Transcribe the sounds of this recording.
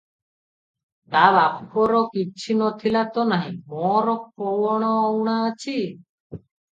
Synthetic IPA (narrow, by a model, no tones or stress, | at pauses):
t̪abapkɔɾɔkit͡ʃʰinɔt̪ʰilat̪ɔnaɦḭ̃mɔɾɔk̚ɔwɔɽ̃ɔɔwɽ̃aət͡ʃʰi